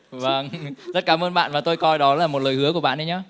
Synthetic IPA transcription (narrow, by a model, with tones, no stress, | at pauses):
və˧˩ŋzə˦˥t̚kaː˨˦mʔəː˧nɓa̰ː˧˨nvaː˨˩t̪o˧jkɔ˧jɗɔ˨˦laː˨˩mo˨˩t̚ləː˨˩jhɨ˨˦əku˧˩əɓa̰ː˧˨nɗə˨˦ɲaː˨˦